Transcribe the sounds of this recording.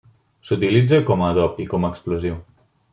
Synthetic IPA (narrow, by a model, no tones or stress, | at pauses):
sut̪ilid͡zekɔmaðɔpikɔmaːksplozio